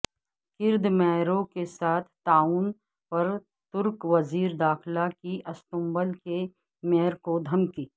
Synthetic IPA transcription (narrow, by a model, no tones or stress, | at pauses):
kɪɾd̪mɛːɾõkesaːt̪ʰt̪aːuːn | pɐɾ | t̪ʊɾkʋɐziːɾd̪aːxlakiʔɐst̪ʊ̃mbəlke | mɛːəɾkod̪ʱɐmkiː